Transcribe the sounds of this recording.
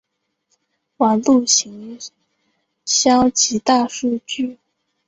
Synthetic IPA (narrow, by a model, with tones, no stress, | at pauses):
wɑ˨˩ŋlu˥˩ɕi˧˥ŋ | ɕjɑ˥ʊt͡ɕʰi˧˥t̪a˥˧ʂu˥˧t͡ɕy˥˩